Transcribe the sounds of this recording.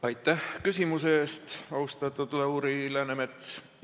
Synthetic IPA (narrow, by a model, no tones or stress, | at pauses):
ɑjt̪ːˑæhkys̬ʲimuseeːst̪ɑust̪ɑt̪ːˑɑt̪uleuːɾilæːnemet̪s